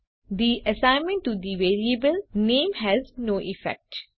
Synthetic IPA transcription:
d̪iʔəsãɪ̃nmə̃ɳʈːud̪iʋeːɾiəbəlnẽːmɦɛznoːʔɪfɛ̰k̚ʈ

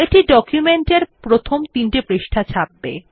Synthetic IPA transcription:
eʈiɖɔkjumeɳʈeɾpɾot̪ʰomt̪inʈepɾeʃʈʰat͡ɕʰab̚ːḛ

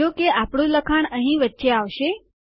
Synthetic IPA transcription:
okeapɽ̃ũləkʰaɳəɦĩʋətːʃeaʋʃe

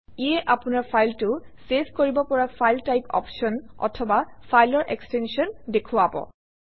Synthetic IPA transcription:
ijɛʔapʊnaɹpʰajltʊ | seskoɹibɔpɔɹafʰajltajpɔ̰pʃɔnɔ̰tʰɔbafʰajlɔɹʔḛkstenʃiɔndekʰʊabɔ̰

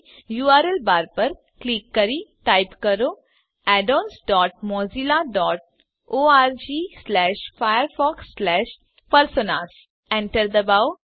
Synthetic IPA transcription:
juːaːɾɛlbaːɾpɐɾ | kliːkːɐɾiʈaːɪpkɐɾoː | ɛːɖoːnsɖɔːʈ̚mɔːzilaɖɔːʈ̚ | oːaːɾd͡ʒiːslɛːʃfajəɾfɔːksːlɛːʃ | pɐɾsonas | ɛ̃ɳʈəɾd̪ɐbaːw

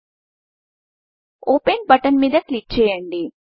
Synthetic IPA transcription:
oːpenbɐʈːɐnmiːðɐkliʈ̚t͡ɕejeːɳɖi

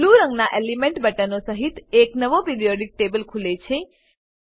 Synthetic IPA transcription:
luɾə̃ŋɡnaʔelimeɳʈbəʈənosəɦit̪eknəʋopiɾijoɖik̚ʈebəlkʰulet͡ʃʰe

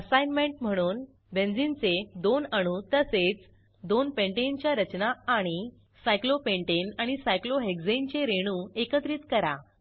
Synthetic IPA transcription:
əsajnmẽɳʈm̤əɽ̃uːn | bend͡zint͡sed̪onəɽ̃ũːt̪əset͡s | d̪onpẽɳʈent͡ɕjaɾət͡ɕnaːɽ̃i | sajklopeɳʈenaɽ̃isajkloɦekd͡zent͡ɕeɾeɽ̃ũːekət̪ɾiːt̪kəɾa

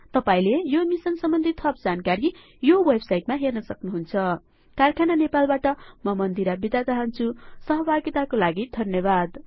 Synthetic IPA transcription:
t̪ʌpaĩlejomisʌnsʌmbʌnd̪ʱit̪ʰʌp̚d͡zankaɾi | jowʌbsajʈmaɦernʌsʌknuɦunt͡sʰʌ | karkʰananepalbaʈʌmʌmʌnd̪iɾabid̪at͡saɦʌnt͡sʰusʌɦʌbaɡit̪akolaɡid̪ʱʌnjʌbad̪

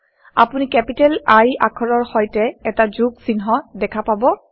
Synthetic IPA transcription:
a̰punikɛpitɛlaja̰kʰɔɹɔɹxɔjtɛɛtad͡ʒuɡsinɦɔdɛkʰapabɔ

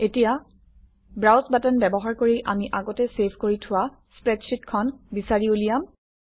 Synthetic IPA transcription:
etija | bɹawsbatɛnbɛbɔɦaɹkoɹiʔamiʔaɡɔtɛsepʰkoɹitʰʊwa | spɹɛtʃitkʰɔnbisaɹiulijam

